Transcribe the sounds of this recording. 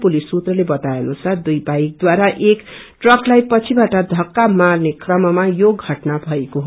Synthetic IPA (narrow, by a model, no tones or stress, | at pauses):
pulisːut̪rʌlebʌt̪aenusʰʌd̪ujbajk̚d̪waɾaʔekʈrʌklajpʌt͡sʰibaʈʌd̪ʱʌkːamarnekʰrʌmʌmajoɡʱʌʈnabʱʌekoɦo